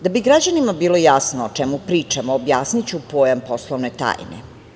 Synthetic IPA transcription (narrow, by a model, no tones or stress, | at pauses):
d̪abiɡɾad͡ʑanimabiːlojasnoːt͡ʃɛmupɾiːt͡ʃamoːbjaːsnit͡ɕupoːjamposlˠoʋnet̪a̰ːjnḛ